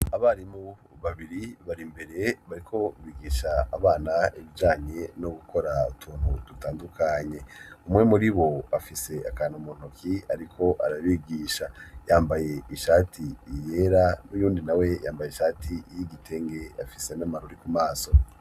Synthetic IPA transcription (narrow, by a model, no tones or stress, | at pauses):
aβaɾimu | βaβiɾiβaɾimbe̞ɾe̞βaɾikʰo̞βiːɡiːʃaːβaːnaiβid͡ʒaːɲe̞no̞ɡukʰo̞ɾautʰuːn̥hudutaːndukʰaɲe̞umwŋe̞muɾiβo̞afise̞akaːnomon̥okʰiaɾikʰo̞ʔaɾaβiːɡiːʃajaːmbaje̞iʃaːtʰiːje̞ɾanujuːndinawe̞ja̰ːmbaje̞ʃaːtʰijiɡitʰe̞ŋɡe̞afise̞namaɾoɾikumaːso̞